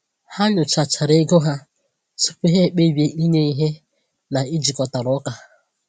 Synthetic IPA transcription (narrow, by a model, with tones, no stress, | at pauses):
ha˦ɲʊ˨t͡ʃa˨t͡ʃa˨ɾe˦ɡʊ˦ɦa˦ | sʊ̥˦pʊ˦ɦe˦˨k͡pe˦˨be˨˦i˦ne˦i˦ɦe˦ | na˨i˦d͡ʒi˨kɔ˨ta˨ɾɔ˨˦ka˨